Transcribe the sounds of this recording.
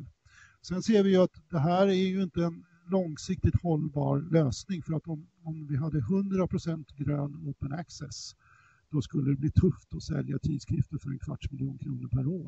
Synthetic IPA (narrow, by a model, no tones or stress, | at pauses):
sɛnseːɾvɪjɵat̪d̪ɛɦæːɾæɾjɵɪnt̪əɛn | lɔŋsɪk̚t̪ɪt̪hɔlːbɑ̰ːɾløːsnɪŋfœɾat̪ɔmɔmvɪɦad̪ːəɦɵnd̪ɾapʰɾʊsɛnt̪ɡɾøːnoːpənaksɛs | d̪̥ɔskɵlːəd̪ɛbliːt̪ʰɵft̪ɔsɛ̰ljat̪ʰiːd̪skʰɾɪft̪əɾfœɾɛ̰nkʰva̰ʈːmɪljuːnkʰɾuːnəɾpʰæɾoːɾ